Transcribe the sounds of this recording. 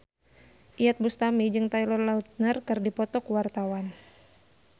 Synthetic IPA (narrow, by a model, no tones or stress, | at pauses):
ʔijat̪̚bust̪amid͡ʒɨŋt̪ajlɔrlaut̪̚nərkɨrdipɔt̪ɔkuwart̪awan